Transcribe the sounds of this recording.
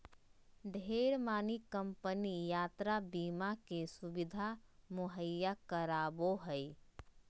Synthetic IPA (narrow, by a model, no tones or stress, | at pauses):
ɖʱeːɾmaːnikəmpənijaːt̪ɾabiːmakesubɪd̪ʱamʊɦəjːakəɾaːboɦəj